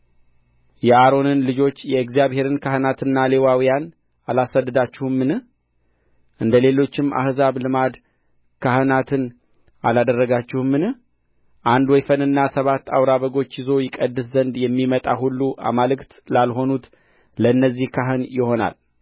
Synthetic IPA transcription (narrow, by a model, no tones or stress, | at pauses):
jɛʔaɾo̞nɨnlɨd͡ʒo̞t͡ʃːjɛɨkzijaβhe̞ɾɨnkʰahɨnat̪ɨnːale̞wawijan | alasəd̪ːɨd̪at͡ʃːɪhɨmːɨnɨh | ʔɨnd̪əle̞lo̞t͡ʃːɪmʔa̰hzaβlɨmad̪ | kʰahɨnat̪ʰɨn | ʔa̰lad̪ərːəɡat͡ʃːɪhmːɨnɨh | ʔand̪wɔjfənɨnːasəβat̪ːa̰wɾaβəɡo̞t͡ʃːjɪzo̞jɪkʼəd̪ːɨszənd̪jɛmːimət̪ʼa̰hulːuʔa̰malɨkt̪lalɦo̞nut̪ | ləɨnːəzːihkʰaɦɨnjɪho̞na̰l